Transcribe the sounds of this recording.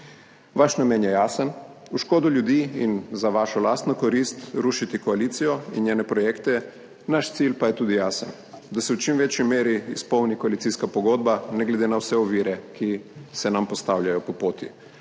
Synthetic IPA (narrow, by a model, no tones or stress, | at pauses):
ʋaʃnamjɛːnjɛjaːsənuʃkoːd̪uljud̪iːinzaʋaːʃɔlaːst̪nɔkoɾiːst̪ɾuːʃit̪ikoaliːt̪sijɔinjeːnɛpɾɔjeːkt̪ɛ | naʃt̪silpajɛt̪uːd̪ijaːsən | d̪asɛwt͡ʃimʋet͡ʃjimeːɾiispɔwnikoalit̪siskapɔɡoːd̪banɛɡlɛd̪enawsɛɔʋiːɾɛkʰisɛnampɔst̪awlʲjajɔpɔpoːt̪i